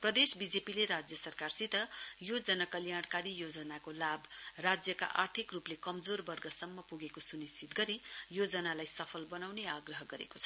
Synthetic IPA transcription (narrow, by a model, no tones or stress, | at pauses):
prʌd̪esbid͡zepileɾad͡zjʌsʌrkarsit̪ʌjod͡zʌnʌkʌljaɽ̃kaɾijod͡zʌnakolabrad͡zjʌka̰ʔa̰rt̪ʰikruplekʌmd͡zorbʌrɡʌsʌmːʌpuɡekosunisit̪̚ɡʌɾijod͡zʌnalajsʌpʰʌlbʌnawneaɡrʌɦʌɡʌɾḛko̥t͡sʰʌ